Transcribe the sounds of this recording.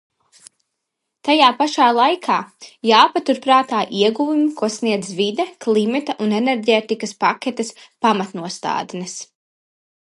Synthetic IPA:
t̪ajaːpaʃaːlˠajkʰaːjaːpat̪uɾpɾaːt̪aːʔiɛɡuvumikuɔsniɛd̪zvid̪ɛklˠimɛt̪aʔunɛnɛɾɟeːt̪ikɐspakʲɛt̪ɛspamat̪nuɔst̪a̰ːd̪nɛs

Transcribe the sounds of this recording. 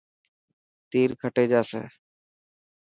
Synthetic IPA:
t̪iːɾkʰəʈeːd͡ʒaːsḛː

